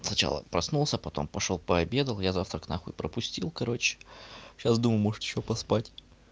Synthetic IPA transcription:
snɐt͡ɕa̰lˠə̰pɾɐsnulˠsʲəpɐt̪o̞̰mpɐʂo̞lˠpəɐbʲe̞d̪əlˠjazaft̪ɾəknaxʊɪpɾəpʊsʲtʲilˠkɐɾo̞t͡ɕɪ̥ɕasd̪uməjmoʐɨt̪jɪɕʲːopɐspatʲ

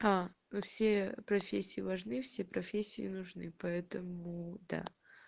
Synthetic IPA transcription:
a | fsʲepɾɐfʲesʲːɪjɪvɐʐnɨfsʲepɾɐfʲesʲːiɪnʊʐnɨpɐɛt̪əmʊd̪a̰

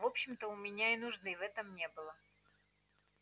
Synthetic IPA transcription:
vo̞pɕːɪmt̪əʊmʲɪnʲaɪnʊʐnɨvɛt̪əmnʲe̞bɨlˠə

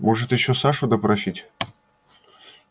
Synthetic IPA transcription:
moʐɨt̪jɪɕːosaʂʊd̪əpɾɐsʲitʲ

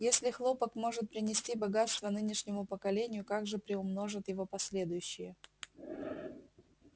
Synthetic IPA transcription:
jesʲlʲɪxlˠo̞pəkmo̞ʐɨt̪̚pɾʲɪnʲɪsʲtʲibɐɡat̪st̪vənɨnʲɪʂnʲɪmʊpəkɐlʲenʲɪjʊkaɡʐɨpɾʲɪʊmno̞ʐɨt̪jɪvo̞pɐsʲlʲe̞d̪ʊjʉɕːɪjə

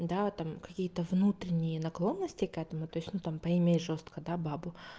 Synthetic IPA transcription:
d̪at̪amkɐkʲijət̪əvnut̪ɾʲɪnʲɪjənɐklˠo̞nːəsʲtʲɪkɛt̪əmʊt̪o̞jɪsʲnut̪ampəɪmʲejʐo̞st̪kəd̪ababʊ

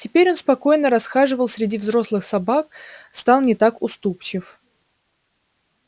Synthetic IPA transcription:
tʲɪpʲeɾʲo̞nspɐko̞jnəɾɐsxaʐɨvəlˠsʲɾʲɪdʲivzɾo̞slˠɨxsɐbak̚st̪alˠnʲɪt̪akʊst̪upt͡ɕɪf

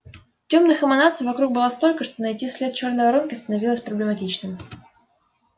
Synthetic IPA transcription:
tʲo̞mnɨxɨmɐnat̪sɨjvɐkɾuk̚bɨlˠast̪o̞lʲkəʂt̪o̞nɐjtʲisʲlʲet̪̚t͡ɕo̞rnəvɐɾonkʲɪst̪ənɐvʲilˠəsʲpɾəblʲɪmɐtʲit͡ɕnɨm

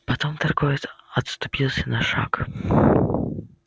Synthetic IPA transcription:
pɐt̪ɔmt̪ɐrɡɔj̪ɐt̪st̪ʊ̥pʲilˠsʲɐnɐʂa̰k

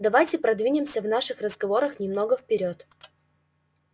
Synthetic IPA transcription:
d̪ɐvajtʲɪpɾɐd̪vʲinʲɪmsʲəvnaʂɨxrəzɡɐvo̞ɾəxnʲɪmno̞ɡəfpʲɪɾʲot̪

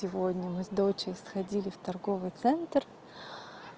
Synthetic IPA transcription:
sʲɪvod̪ʲnʲəmɨzd̪o̞t͡ɕɪɾʲɪsxɐdʲilʲɪft̪ɐrɡo̞vɨjt̪sɛnt̪r

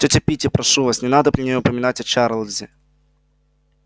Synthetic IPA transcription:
tʲotʲɪpʲitʲɪpɾɐʂuvasnʲɪnad̪əpɾʲɪnʲejɔʊpəmʲɪnatʲɐt͡ʃaɾlˠzʲɪ

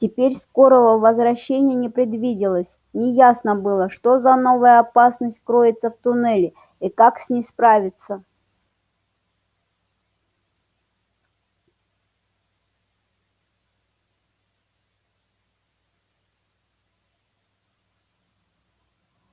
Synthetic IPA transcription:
tʲɪpʲeɾʲsko̞ɾəvəvəzvɾɐɕːenʲɪjənʲɪpɾʲɪd̪vʲidʲɪlˠəsʲ | nʲɪjasnəbɨlˠəʂt̪o̞zɐno̞vəjəɐpasnəsʲt̚ʲkɾo̞jɪt̪səft̪ʊnɛlʲɪ | ikaksʲnʲɪspɾavʲɪt̪sə

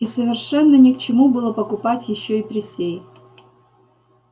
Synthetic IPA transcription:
isəvʲɪrʂɛnːənʲɪkt͡ɕɪmubɨlˠəpəkʊpatʲjɪɕːoipɾʲɪsʲej

